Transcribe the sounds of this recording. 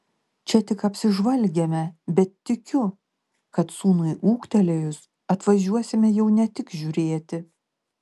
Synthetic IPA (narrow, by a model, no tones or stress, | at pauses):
t͡ʃʲɛt̪ʲɪkɐpʲsʲɪʒʋɐlʲˑɡʲɛmʲɛbʲɛt̪ːʲɪkʲʊ | kɐt̪suːnʊɪʔuːkt̪ʲɛlʲejʊs | ɐt̪ʋɐʒʲuɔsʲɪmʲɛjɛʊnʲɛt̪ʲɪkʒʲʊɾʲeːt̪ʲɪ